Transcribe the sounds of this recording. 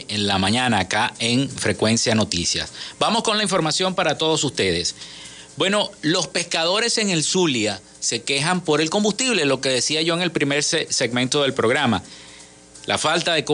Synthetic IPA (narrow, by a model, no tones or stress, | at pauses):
enlamãɲãnaːkaeŋfɾe̞kwe̞nsjano̞t̪isja̰sbamo̞sko̞nlaiɱfo̞ɾmasjo̞mpaɾat̪o̞ð̞o̞sust̪e̞ð̞e̞s | bwe̞no̞lo̞spe̞skað̞o̞ɾe̞se̞ŋe̞lsulja | se̞ke̞ɦampo̞ɾe̞lko̞mbust̪iβ̞le̞lo̞ke̞ðe̞siaʝo̞eŋe̞lpɾime̞ɾsese̞ɡmẽnt̪o̞ðe̞lpɾo̞ɣɾama | la̰falt̪aðe̞ko